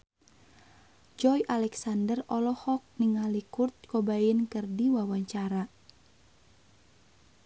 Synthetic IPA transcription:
d͡ʒɔjʔalɛksandərɔlɔhɔk̚niŋalikurt̪̚kobajənkɨrdiwawaɲt͡ʃaɾa

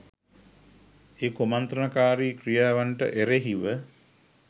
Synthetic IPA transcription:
eːkomant̪ɾənakaːɾikɾijaːʋaɳʈə̰ʔeɾeɦiʋə

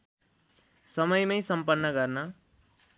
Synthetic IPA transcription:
sʌmʌjmʌjsʌmpʌnːʌɡʌrnʌ

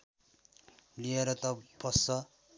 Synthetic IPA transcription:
lieɾʌt̪ʌb̥ʌsːʌ

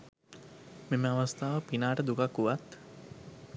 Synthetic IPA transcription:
meməaʋast̪aːʋəpinaːʈəd̪ukakːuʋat̪

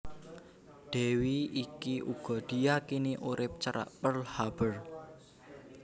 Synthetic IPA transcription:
ɖ̪̥ɛ̤wiikiʔuɡ̥ɔ̤ɖ̪̥i̤jakiniʔuɾɪp̚t͡ʃəɾa̰ʔpərlhab̥ər

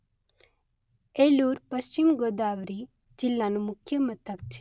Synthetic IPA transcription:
eluːɾpəʃt͡ʃimɡod̪aːʋɾi | d͡ʒilːanumʊkʰjəmɐt̪ʰək̚t͡ʃʰe̥

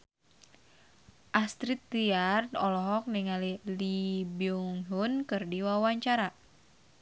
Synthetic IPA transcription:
ʔast̪ɾit̪ːiard̪ɔlɔɦɔk̚niŋalilibiuŋɦunkɨrdiwawaɲt͡ʃaɾa

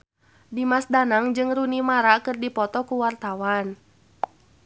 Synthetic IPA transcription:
dimasdanaŋd͡ʒɨŋrunimaɾakɨrdipɔt̪ɔkuwart̪awan

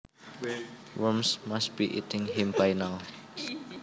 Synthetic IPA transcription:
ɹumsmast̚b̥iʔḭtʰɪ̃ŋɦɪmfajnal

